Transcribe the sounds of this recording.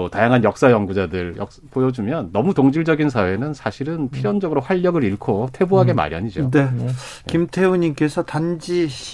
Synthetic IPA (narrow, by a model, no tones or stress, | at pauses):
otajaŋɦanjʌk̚s͈ajʌŋɡud͡ʑadɯɭjʌk̚pojʌd͡ʑumjʌnːʌmutoŋd͡ʑiɭd͡ʑʌɡins̬ʰawe̞nɯnsʰaɕʰiɾɯnpʰijʌnd͡ʑʌɡɯɾoɸwaʎːʌɡɯɾiɭkʰotʰe̞boɦaɡe̞ma̰ɾja̰ɲid͡ʑodekimtʰeuɲink͈e̞sʰʌtand͡ʑiɕ